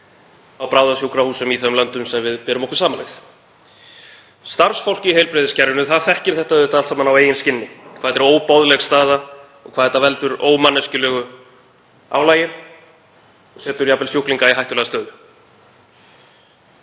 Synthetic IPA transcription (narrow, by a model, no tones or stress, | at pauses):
awpɾaːwðasjuwkɾahuːsʏmiθœmlœnt̪ʏmsɛmvɪðpɛːɾʏmɔhkʏɾ̥saːmalejθ | st̪aɾ̥sfowl̥cɪihejlpɾɪðɪscɛɾvɪnʏθaðfɛhcɪɾ̥θɛht̪aʏt̪alt̪saːmanaweːjʏnscɪnːɪkʰvaːðɛɾoːwpawðlɛɣst̪aːða | ɔ̰ɣkʰvaːɛt̪ːavɛlt̪ʏɾo̰ːwmanːɛscʏlɛːɣʏ | a̰wlaːjɪn | ɔɣsɛːt̪ʏɾjapɛlsjuhkliŋkaiɦajht̪ʏlɛɣast̪œːɣ